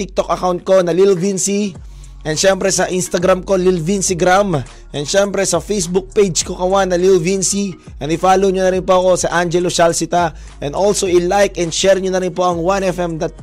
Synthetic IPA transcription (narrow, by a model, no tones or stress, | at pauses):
t̪ik̚t̪o̞k̚ʔɐkawnt̪̚ko̞nɐlilvinsi | ʔɛnʃɛmpɾɛsɐʔinst̪ɐɡɾamko̞lilvinsɪɡɾam | ʔɛnd̪ʃɛmpɾɛsɐfejsbʊk̚pejd͡ʒkokɐwanːɐlilvinsi | ʔɛnɪfaːloɲʊnɐɾɪnpoɐko̞sɐʔand͡ʒɛloʃalsɪt̪a | ʔɛ̃nd̪olsoʔɪlajkʔɛnd̪ʃɛɹɲʊnɐɾɪnpo̞ʔɐŋwanɛfɛmd̪ɐt̪̚